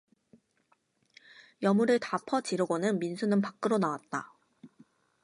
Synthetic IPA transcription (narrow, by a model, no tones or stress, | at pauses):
jʌmuɾɯɭtapʰʌt͡ɕiɾoɡonɯnminsʰunɯnpak̚k͈ɯɾonawat̚t͈a̰